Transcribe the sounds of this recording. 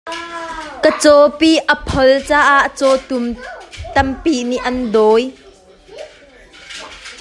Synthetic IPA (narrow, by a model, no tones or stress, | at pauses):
kət͡sɔpiʔəpʰɔlt͡saːʔaʔt͡sɔt̪umt̪ɐmpiʔniʔɐnd̪ɔj